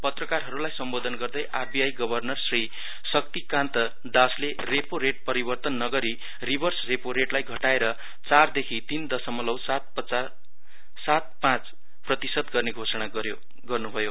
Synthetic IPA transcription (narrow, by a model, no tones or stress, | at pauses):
pʌt̪rʌkarɦʌɾulajsʌmbod̪ʱʌnɡʌrd̪ʌjʔarbijajɡʌbʱʌrnʌrsri | sʌk̚t̪ikãnt̪ʌ | d̪asle | repoɾeʈ̚pʌɾibʌrt̪ʌnːʌɡʌɾi | ribʱʌrsrepoɾeʈlajɡʱʌʈaeɾʌ | t͡sard̪ekʰit̪ind̪ʌsʌmʌlʌwsat̪̚pʌt͡sa | sat̪̚pãt͡s | prʌt̪isʌd̪ɡʌrneɡʱosʌɽ̃a | jo | ɡʌrnubʱʌjo